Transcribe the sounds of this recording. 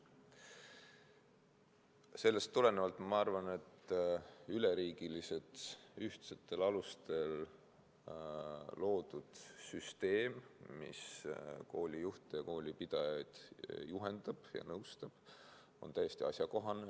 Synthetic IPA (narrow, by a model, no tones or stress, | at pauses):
se̞lːe̞st̪ːule̞nevɑlt̪ˑmɑɑrvɑne̞t̪ː | yleɾiːɡ̥ilise̞t̪yht̪set̪ːˑe̞lɑlust̪e̞l | lo̞ːd̪ud̪̥syst̪e̞ːmmḭsko̞ːlʲijuht̪ejɑko̞ːlʲipid̪̥ɑjɑjd̪̥juɦe̞nd̪ɑb̥jɑ̰nɤwst̪ɑb̥ | o̞̰nt̪æjest̪iɑ̰sʲjɑko̞ɦɑne